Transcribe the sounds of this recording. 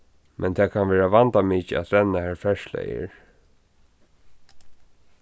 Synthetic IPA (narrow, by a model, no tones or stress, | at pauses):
mʔɛnt̪ʰɛːkʰanʋɛːɹaʋant̪amiːcəa̰t̪ɾɛnːahæɹfɛʃlɛ̰jə̰ɹ